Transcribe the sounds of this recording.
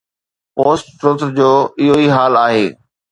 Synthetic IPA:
poːsʈʈɾʊt̪ɾd͡ʑoːɪɦoiɦaːlaːɦeː

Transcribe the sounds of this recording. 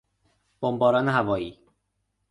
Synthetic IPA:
b̥ombɒːɾɒːneɦævɒːiː

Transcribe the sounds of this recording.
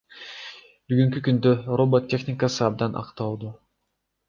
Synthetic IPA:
byɡyŋk̬ykynd̪ørobot̪ʲːe̞xnʲɪkasɯɑb̚d̪ɑnʔɑ̰qt̪ɑlˠd̪u

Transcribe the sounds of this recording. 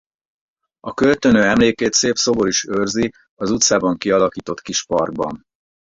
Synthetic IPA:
ɒkø̞lt̪ø̞nøːɛmleːkeːt̪seːpso̞boɾiʃørzi | ɒzut̪saːbɒŋkiɒlɒkiːt̪o̞t̪kiʃpɒrɡ̚bɒ̰n

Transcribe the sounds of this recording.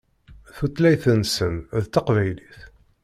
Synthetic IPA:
θut̪læjθənsənðt̪ːɑqvæjliθ

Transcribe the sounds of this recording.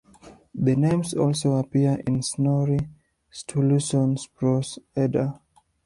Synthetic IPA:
ðənẽmsɔlˠsoapiəʔɪ̃nsnɔɹi | stʰɔluʃɔ̃nspɹɔsɛdə

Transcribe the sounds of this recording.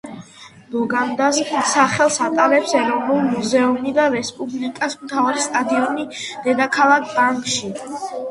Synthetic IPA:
lɔɡand̪assaχɛlˠsat̪ʼaɾɛpsɛɾɔnulˠmuzɛumid̪aɾɛspʼublikʼasmt̪ʰaɾɛst̪ʼad̪iɔnid̪̥ɛd̪akʰalˠak̚ʰbaŋkʼʃi

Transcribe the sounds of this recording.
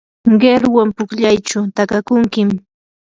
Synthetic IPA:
ɢeɾwampʊkʎajt͡ʃʊt̪akakʊŋkɪm

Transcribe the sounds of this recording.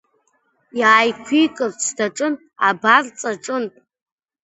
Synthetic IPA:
jaːjkʷʰikʼɨrt͡sʰdaʈ͡ʂʼɨnʼ | a̰bart͡sʼaʈ͡ʂʼɨnʼ

